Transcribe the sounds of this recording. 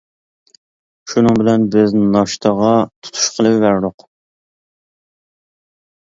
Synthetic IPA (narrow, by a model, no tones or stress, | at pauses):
ʃunɨŋbɪlɛnbɪznɑʃt̪ʰɑʁɑt̪ʰu̥t̪ʰu̥ʃqʰəlˠɨpvæɾd̪ʊq